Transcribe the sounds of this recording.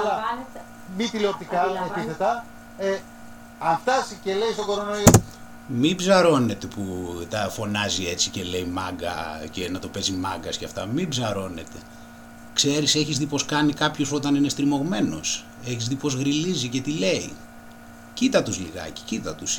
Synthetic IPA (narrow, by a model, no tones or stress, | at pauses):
ɐlɐ | mit̪iliot̪ikɐet̪iθet̪ɐ | e | ɐnt̪ɐsicelejst̪oɡoɾonoio | mibzɐɾo̞net̪e̞put̪ɐfo̞nɐzie̞t͡sice̞le̞imɐ̰ɡɐ̰cenɐt̪o̞pe̞zimɐŋɡɐscɐ̰ft̪ɐmibzɐɾo̞ne̞t̪e̞ | kse̞ɾiseçizðipo̞skɐnikɐpçospo̞t̪ɐninest̪ɾimo̞ɣme̞no̞̰s | e̞çizðipo̞zɣɾilizice̞t̪ile̞i | cit̪ɐt̪uzliɣɐ̰ci̥cit̪ɐt̪us